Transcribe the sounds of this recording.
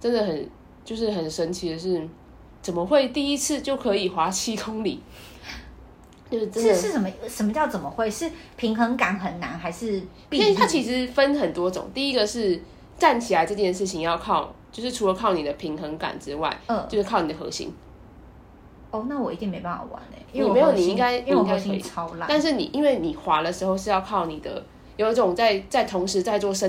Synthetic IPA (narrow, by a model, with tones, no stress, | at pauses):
ʈ͡ʂə˦nd̪ə˨xə˨˩n | t͡ɕjo˥˧ʊʂ̬ɻ̩˥˩xə˨˩nʂə˦nt͡ɕʰi˧˥d̪ə˧ʂɻ̩˥˩ | t͡sə˨˩nmə˦xwe˥˩ɪt̪i˥˩i˦t͡s̩ʰ˥˧t͡ɕjo˥˩ʊkʰɤ˧˥i˨˩xwa˧˥t͡ɕʰi˥kʰʊ˥ŋli˨˩˦ | t͡ɕjo˥˧ʊʂ̩˥˩ʈ͡ʂə˦n̩˥ɻ̩˥˩ʂə˨˩m˧˦ʂə˨˧˩mə˧˦t͡ɕjɑ˥˩ʊt͡sə˨˩mə˦xwe˥˩ɪʂɻ̩˥˩pʰi˧˥ŋxə˧˥ŋka˨˩˦nxə˨˩nna˧˥nxa˧˥ɪʂɻ̩˥˩ | i˧˥˨a˦˥t͡ɕʰi˧˥ʂɻ̩˧˦fə˦nxə˨˩nt̪wɔ˥ʈ͡ʂʊ̰˨˩˦ŋt̪i˥˩i˦˥ɡə˨ʂɻ̩˥˩ | ʈ͡ʂa˥˩nt͡ɕʰi˨˩la˨˦ɪʈ͡ʂɤ˥˧t͡ɕʰjɛ˥˧nʂ̬ɻ̩˥˩t͡ɕʰi˨ŋjɑ˥˧ʊkʰɑ˥˩ʊt͡ɕjo˥˧ʊʂɻ̩˥˩ʈ͡ʂʰu˧˥lə˧kʰɑ˥˩ʊni˨˩d̪ə˦pʰi˧˥ŋxə˧˥ŋka̰˨˩nʈ͡ʂɻ̩˦wa̰˥˩ɪ˧t͡ɕo˥˧ʊʂ̩ʰ˥˩ɑ˥˩ʊni˨˩ə˩xɤ̰˧˦ɕḭ˧˥ŋ | o˥˩na˥˩wɔ˨˩i˧t̪i˥˩ŋme˧ɪpa˥˩fa̰˨˩wa̰˧˦nə̰˨˩y˥˨me˧ɪo˨˩˧nni˨i˥ŋɡa˦˥ɪ˥˦˥ŋka˧˥i˧˥˨ɑ˦ʊla˧t̪a˥˧nʂ̬ɻ̩˥˩nḭ˨˩ʔi˦˥nwe˥˩ɪni˨˩xwa˧˥lə˨ʂɻ̩˧˥xo˥˧ʊʂɻ̩˥˧jɑ˥˧ʊkʰɑ˥˩ʊni˨˩d̪ə̰˦ | jo˨˩i˥˩ʈ͡ʂʊ˨˩ŋt͡sa˥˧ɪt͡sa˥˩ɪt̪ʰʊ˧˥ŋʂɻ̩˧˥t͡sa˥˧ɪt͡swɔ˥˩ʂə˥˦